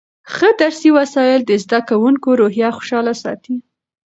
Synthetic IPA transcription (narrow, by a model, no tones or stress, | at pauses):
xəd̪aɾsiwasɑjɪld̪əzd̪akawuŋkoɾoɦjɑxʊ̥ʃɑlasɑ̰t̪i